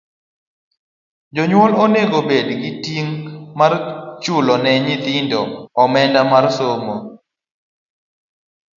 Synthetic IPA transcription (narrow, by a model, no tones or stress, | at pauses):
d͡ʒɔɲwɔloneɡobedɡɪtiŋmart͡ʃʊlɔnɛɲɪt̪ɪndɔːmɛndamarsomo